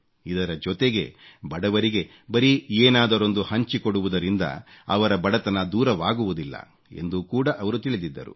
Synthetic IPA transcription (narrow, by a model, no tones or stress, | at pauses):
id̪ɐɾɐd͡ʒɔt̪eɡe̞bɐɽɐʋɐɾiɡe̞ | bɐɾieːnaːd̪ɐɾo̞nd̪uhɐɲt͡ʃikoɽuʋud̪ɐɾind̪ɐ̰ɐ̰ʋɐɾɐbɐɽɐt̪ɐnɐd̪uːɾɐʋaːɡuʋud̪ilːɐ̰ | e̞̰nd̪ukuːɽɐʔɐʋɐɾut̪iɭid̪id̪ːɐ̰ɾṵ